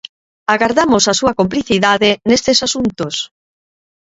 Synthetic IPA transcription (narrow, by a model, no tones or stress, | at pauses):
aɣaɾðamosasuɐkomp̬liθiðaðenest̪esasunt̪os